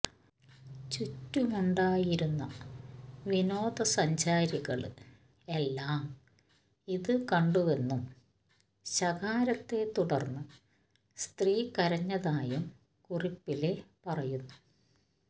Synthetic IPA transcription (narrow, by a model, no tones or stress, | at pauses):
t͡ɕutːumuɳɖaːjiɾunːɐ̰ | ʋino̞ːd̪ɐsɐɲd͡ʑaːɾiɣɐɭɨ | e̞lːaːm | iðɨkɐɳɖuʋe̞nːum | ɕɐɣaːɾɐt̪ːe̞t̪uɽɐrnːɨ | st̪riːkɐɾɐɲːɐðaːjum | kuripːile̞pɐrɐjunːu